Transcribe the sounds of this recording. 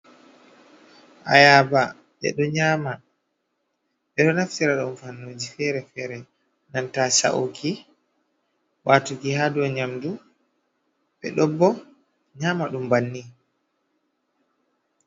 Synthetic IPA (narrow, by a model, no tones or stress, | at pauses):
ʔa̰jaːba | ɓɛ̰ɗɔɲama | ɓɛɗɔnaftiɾaɗɔnfanːod͡ʒifɛːɾɛfɛːɾɛ | nantaːsa̰ʔokʰi | watuɡihadɔɲamdu | ɓɛ̰ɗɔbːɔ | ɲaːmaɗumbanːi